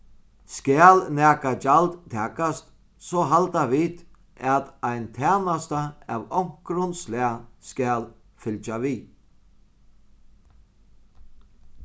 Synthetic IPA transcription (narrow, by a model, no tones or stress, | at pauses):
skæːlnæːkad͡ʒalt̪t̪ʰɛːkast̪ | sɔɦalt̪avit̪ | at̪ajnt̪ʰæːnast̪aæ̰ʋɔwŋ̥kɾʊnslɛaskæːl | fɪlt͡ʃaviː